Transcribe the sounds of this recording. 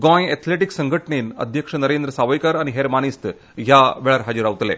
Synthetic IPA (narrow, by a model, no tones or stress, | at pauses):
ɡɔ̃jɛt̪ʰleʈiksəŋɡʱəʈɳenə̰d̪ʱjəkʂənəɾend̪ɾəsaʋəjkaɾañiɦeɾmañist̪ | ɦjaʋeɭaɾɦad͡ʑuɾaʋt̪lḛ